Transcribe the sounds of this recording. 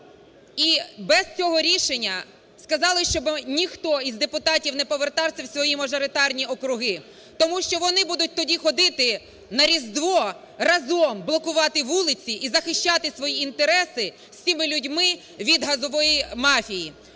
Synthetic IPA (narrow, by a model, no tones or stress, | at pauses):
ibɛst͡sʲɔɦɔɾʲiʃenʲːɐ | skɐzɑlˠɪʃt͡ʃɔbnʲixt̪ɔizd̪epʊt̪ɑtʲiwnɛpɔʋert̪ɑwsʲɐwsʲʋɔjimɐʒɔɾɪt̪ɑrnʲiɔkɾʊɦɪ | t̪ɔmuʃt͡ʃɔʋɔnɪbud̪ʊt̚ʲt̪ɔdʲixɔd̪ɪt̪ɪ | nɐɾʲizd̪ʋɔ | rɐzɔmblˠɔkʊʋɑt̪ɪʋulˠɪt͡sʲiʔizɐxɪʃʲt͡ʃɑt̪ɪsʋɔjiint̪eɾɛsɪ | sʲimɪlʲʊdʲmɪ | ʋʲid̪ɦɐzɔʋɔjimɑfʲiji